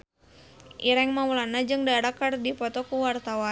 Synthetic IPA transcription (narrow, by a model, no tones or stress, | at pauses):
ʔiɾɛŋmaulanad͡ʒɨŋdaɾakardipɔt̪ɔkuwart̪awa